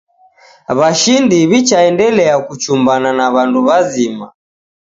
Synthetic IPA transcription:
βaʃindiβit͡ʃaɛndɛlɛakut͡ʃumbananaβanduβazima

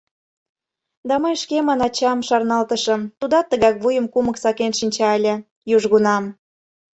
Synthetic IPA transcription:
d̪ɑməjʃkemɑnɑt͡ɕɑmʃɑrnɑlt̪əʃɤ̆mt̪ud̪ɑt̪ːəɣɑkβujəmkuməksɑkenʃinʲt͡ɕɑelʲĕ | juʒɣunɑm

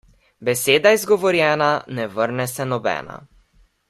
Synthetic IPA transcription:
bɛseːd̪aizɡɔʋɔɾjɛːnanɛvəɾnɛsɛnɔbɛ̰ːna̰

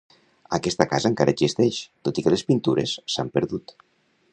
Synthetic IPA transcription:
əkɛst̪əkazəŋkaɾʔə̰zist̪ɛʃt̪ot̪ikəlespint̪uɾesːampəɾðut̪

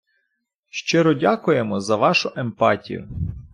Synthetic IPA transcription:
ʃt͡ʃɪɾɔdʲakʊjemɔzɐʋɑʃʊʔempɑtʲḭjʊ̰

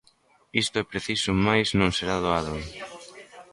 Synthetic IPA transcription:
ist̪ʊɛpɾeθisʊmajznõŋseɾaðoaðʊ

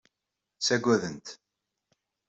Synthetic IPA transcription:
sæɡʷːæðənt̪

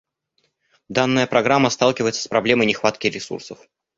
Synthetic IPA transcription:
d̪anːəjəpɾɐɡɾamːəst̪alˠkʲɪvəjɪt̪sə̥spɾɐblʲe̞məjnʲɪxvat̪kʲɪɾʲɪsṵrsəf

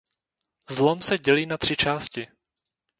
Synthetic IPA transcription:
zlomsɛɟɛliːnat̪r̝̥ɪt͡ʃaːscɪ

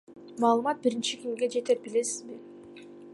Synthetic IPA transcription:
mɑːlˠɯmɑt̪̚biɾint͡ʃikʲimɡe̞d͡ʒe̞t̪e̞p̚bile̞sizbi

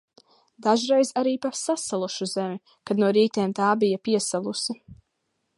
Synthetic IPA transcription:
d̪aʒɾɛjzaɾiːpasasalˠuʃuzɛmʲi | kad̪nuɔɾiːt̪eːmt̪aːbijapiɛsalˠusi

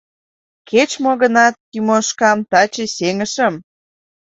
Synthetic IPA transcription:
ket͡ɕmoɣə̆nɑt̪̚ːymoʃkɑmt̪ɑt͡ɕeseŋə̆ʃə̆m

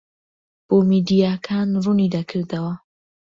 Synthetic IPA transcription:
b̥oːmid̪ijaːkʰaːnrunid̪akʰɨɾd̪ɐwɐ

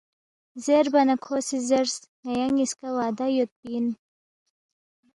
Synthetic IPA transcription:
zeɾbɐnɐkʰoːsizeɾsŋɐjaŋiskawaːd̪ajot̪̚piːn

